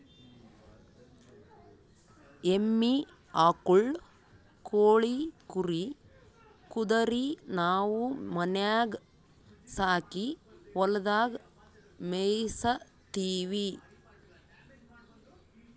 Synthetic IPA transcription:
emːi | aːkuɭ | koːɭikuɾi | kud̪ɐɾinaːwumɐnjaːɡ | saːkiʋɐlɐd̪aːɡ | mejsɐ | t̪iːʋi

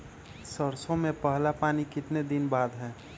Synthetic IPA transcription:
səɾsõmẽpəɦlapaːnikɪt̪ned̪ɪnbaːd̪ɦɛ̃ː

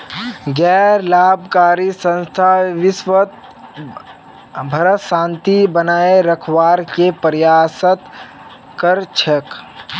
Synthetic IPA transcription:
ɡɛːɾlaːbʱkaːɾisə̃nst̪ʰaʋɪsʋət̪̚ | bʱəɾəsãːnt̪ibənaːeɾəkʰwaːɾkepəɾjaːsət̪ | kəɾt͡ʃʰək

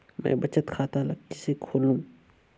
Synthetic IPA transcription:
mɛ̰̃ːbɐt͡ʃət̪kʰaːt̪alɐk̚kisekʰoːlũː

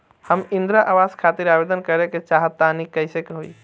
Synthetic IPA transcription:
həmind̪ɾaʔaʋaskʰat̪iɾabed̪ənkəɾeket͡ʃaɦət̪ːanikəɪsekeɦoi

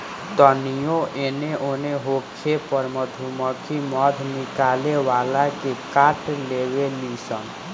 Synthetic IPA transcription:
t̪ənijoʔeneʔoneɦokʰepəɾməd̪ʱuməkʰimɔd̪ʱnikalewalakekaʈlewelisən

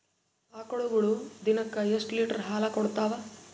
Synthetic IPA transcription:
aːkɔɭuɡɐɭud̪inɐkːɐjeʂʈliːʈɐɾɦaːlɐkɔɽt̪ːaːʋɐ

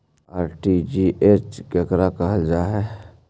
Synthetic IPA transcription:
aːɾʈid͡ʒiʔeːt͡ʃɡekɾakaɦəd͡ʒaɦɛ

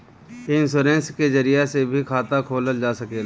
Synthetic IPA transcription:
ɪnsoːɾẽːnskezəɾijasebʱikʰaːt̪akʰoːləld͡ʒaːsɐkeːla

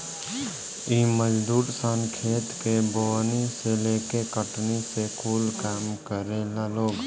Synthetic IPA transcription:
iməd͡ʒd̪uːɾsənkʰeːt̪keboniseleːkekəʈnisekʰuːlkaːmkəɾeːlaloːɡ

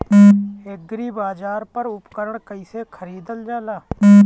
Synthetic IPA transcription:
ɪɡɾiːbaːd͡ʒaːɾpəɾʊpkəɾəɳkəiːseːkʰəɾiːd̪əld͡ʒaːlaː

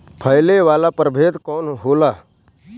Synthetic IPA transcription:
pʰəɪleʋaːlapəɾbʱeːt̪kɔːnɦoːlaː

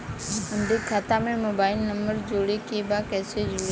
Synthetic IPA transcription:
ʊ̃nd̪ekʰaːt̪amẽmoːbaːɪlnɐ̃mbəɾd͡ʑoːɽekʰebakɛːsed͡ʑɾ

